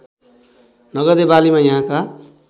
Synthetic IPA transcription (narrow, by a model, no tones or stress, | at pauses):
nʌɡʌd̪ebalimajʌɦãka